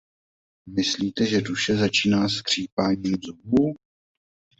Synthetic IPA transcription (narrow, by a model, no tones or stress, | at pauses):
mɪsliːt̪ɛʒɛduʃɛzat͡ʃiːnaːskr̝̥iːpaːɲiːmzubu